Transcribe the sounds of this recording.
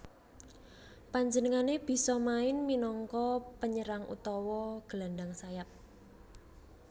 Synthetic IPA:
paɲd͡ʒənəŋaneb̥i̤sɔmaɪnminɔŋkɔpəɲəɾaŋʔṵt̪ɔwɔɡ̥əlanɖaŋsajap̚

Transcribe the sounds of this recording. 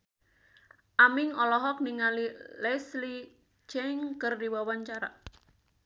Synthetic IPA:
ʔamɪŋɔlɔɦɔk̚niŋalilɛsli | t͡ʃɛŋkərdiwawant͡ʃaɾa

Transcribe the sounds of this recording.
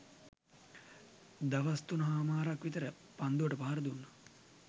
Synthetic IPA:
d̪aʋast̪unɐɦaːmaːɾakʋit̪əɾə | pand̪uʋəʈəpaːɾəd̪unːə

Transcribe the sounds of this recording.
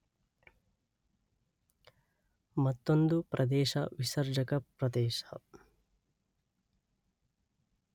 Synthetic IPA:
mɐt̪ːond̪upɾʔɐd̪ɛːʃɐ̰ʋisɐɾd͡ʒɐkɐpɾɐd̪eːʃɐ

